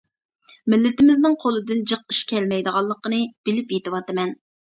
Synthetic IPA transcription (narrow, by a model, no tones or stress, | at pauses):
mɪlːɪt̪ɪmɪznɪŋqʰolˠɨd̪ɨnd͡ʒəqiʃkʲʰɛlmɛjd̪əʁɑlˠːəqənɨb̥ɪlɪpjet̪ɨwɑt̪ɨmɛn